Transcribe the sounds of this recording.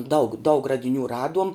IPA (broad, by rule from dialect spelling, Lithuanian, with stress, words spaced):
dɐʊk dɐʊk rɐdʲɪˈnʲuː ˈrɑːduɔm